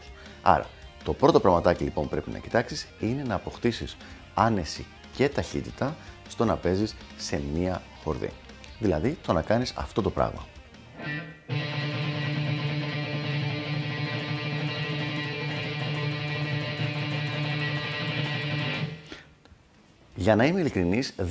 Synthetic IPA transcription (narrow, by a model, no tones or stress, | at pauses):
s | ɐ̰ɾɐ̰t̪o̞pɾo̞t̪opɾɐɣmɐt̪ɐcilipo̞̰npɾe̞pinɐ̰ci̥t̪ɐksisine̞nɐːpo̞xt̪isis | ɐne̞si | ce̞t̪ɐçit̪it̪ɐst̪o̞nɐpe̞zisː | e̞miɐ | xo̞ɾðḭ | ðilɐðit̪o̞nɐkɐnisɐ̰ft̪o̞t̪o̞pɾɐ̰ɣmɐ̰ | ʝɐnɐimeilikɾiniz